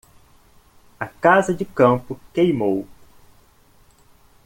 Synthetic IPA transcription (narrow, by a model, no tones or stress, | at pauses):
ɐkazɐd͡ʒɪkɐ̃pʊkejmow